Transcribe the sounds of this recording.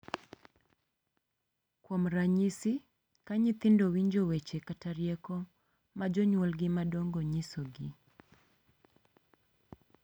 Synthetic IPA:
kwɔmɾaɲisɪ | kaɲɪt̪ɪndɔwiɲd͡ʒɔwet͡ʃɛkataɾjɛkɔ | mad͡ʒɔɲwɔlɡɪmadɔŋɡɔɲɪsɔɡɪ

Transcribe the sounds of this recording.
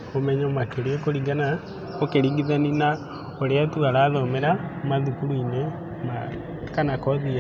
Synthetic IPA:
omɛɲɔmakeɾeekoɾiɡana | okeɾiɡiðanina | oɾeatuaɾaːðɔmeɾamaðukuɾuine | ma | kanakɔðia

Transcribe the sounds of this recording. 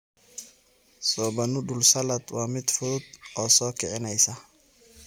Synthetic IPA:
sɔːbɐnʊɗʊlsɐlɐd̪waːmɪd̪fʊʊd̪ɔːsɔːkʰɪʕɪnɛjsɐ

